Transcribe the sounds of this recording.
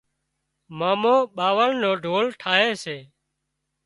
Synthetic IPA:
maːmõːɓaːʋəlnõːɖʱoːlʈʰaːɦeːseː

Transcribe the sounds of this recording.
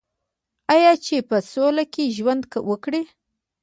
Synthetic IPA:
ajɑt͡ʃepəsolakeʒwand̪kawəkɽe

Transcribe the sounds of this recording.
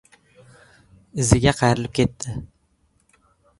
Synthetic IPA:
ɪzɪɡʲaqʰɑjɾɪlɪp̚kʲʰe̞t̪ːɪ

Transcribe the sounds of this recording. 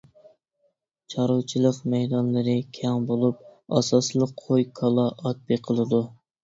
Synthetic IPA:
t͡ʃʰɑɾowt͡ʃʰilˠəqmɛjd̪ɑnlˠɨɾɨkʲʰɛŋbolˠup̚ɑsɑslˠəqʰojkʰɑlˠɑʔɑt̪̚biqʰəlˠɨd̪u

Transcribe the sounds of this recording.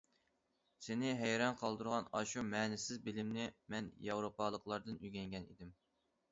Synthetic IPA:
sɪnɪɦɛjɾɑnqʰɑlˠd̪uɾʁɑnɑʃumɛːnɪsɪzbɪlɪmnɪmɛnjɑwɾopʰɑlˠəqlˠɑɾd̪ɨnyɡʲɛŋɡʲɛnḭd̪ɪm

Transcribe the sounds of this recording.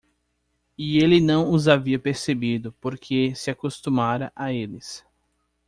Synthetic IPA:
ɪelɪnɐ̃w̃ʊzaviɐpeɾsebid̪ʊpoɾkʰesɪakost̪umaɾɐʔaelɪs

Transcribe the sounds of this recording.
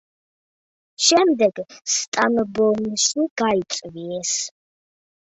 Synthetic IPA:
ʃɛmd̪ɛɡst̪ʼaməbɔnəʃuɡ̥ait͡ʃʼviɛs

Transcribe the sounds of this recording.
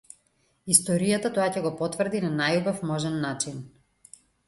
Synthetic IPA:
ist̪ɔɾijat̪at̪oacɛɡɔpɔt̪vr̩d̪inanajubafmɔʒɛnːat͡ʃin

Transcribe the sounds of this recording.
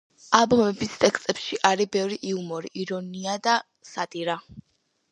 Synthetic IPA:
abɔmɛbist̪ʼɛkst̪ʼɛpsʃiʔaɾibɛvɾiʔiumɔɾiʔiɾɔniad̪a | sat̪ʼiɾa

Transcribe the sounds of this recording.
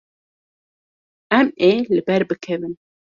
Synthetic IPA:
ʔɛmelɨbɛɾbɨkʰɛvɨn

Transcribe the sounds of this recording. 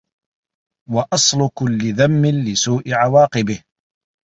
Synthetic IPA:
wɑʔɑsˤlʊkʊlːɪðamːɪnlɪsuːʔɪʕawɑːqɨbɪh

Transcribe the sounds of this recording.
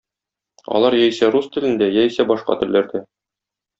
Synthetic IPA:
ɒ̰lˠɑɾjæjsæɾust̪ɘ̆lɘ̆nd̪æjæjsæbɒʃqɑ̰t̪ɘ̆lːæɾd̪æ

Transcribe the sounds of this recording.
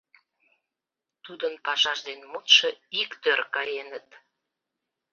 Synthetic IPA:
t̪ud̪ənpɑʃɑʃd̪enmut̪ʃəikt̪ørkɑjenət̪

